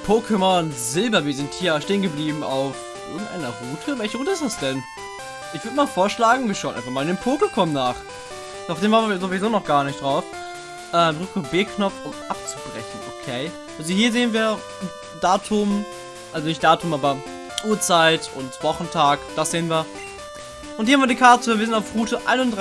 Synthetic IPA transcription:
pʰokʰəmɔnzɪlbɐviːɐzɪnthiːɐʃteːənɡəbliːbm̩a̰ʊfʔʔɪɐɡŋ̩tʔa̰ɪnɐʁuːtʰəvɛlçəʁuːtəɪstd̥asd̥ɛn | ʔɪçv̥ʏɐdəmaːlfoːɐʃlaːɡŋ̩viːɐʃaʊnʔa̰ɪfɐχmaːldeːnpʰoːkokʰɔmnaːχ | aʊfd̥eːmvaːnviːɐzovizoːnɔχɡ̥aːɐnɪçtd̥ʁaʊf | ʔɛːʁɪkəbɪɐknɔp͡fʊmʔap̚t͡su̥bʁɛçn̩ʔo̰kʰeː | ʔalzohiːɐzeːənviːɐ | daːtʰʊm | ʔalzonɪçt̚d̥aːtʰʊmʔaːbɐ | ʔuːɐt͡saɪtʔʊ̰ntv̥ɔχn̩tʰaːkd̥asz̥eːənviːɐ | ʔʊnt̚hiːhamviːɐdikʰaɐtəviːɐzɪntaʊfʁuːtəʔa̰ɪnʊndʁ

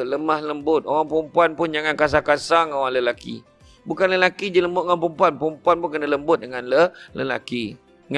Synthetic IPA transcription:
ləmahləmbʊt̪̚oɣaŋpumpuanpʊnd͡ʒaŋãnkas̬akasaŋoɣaŋləlakḭ | bukanləlakid͡ʒiləmbʊt̪ʔoampumpuanpumpuanpunkənələmbʊt̪̚dəŋanlələla̰ki | ŋ

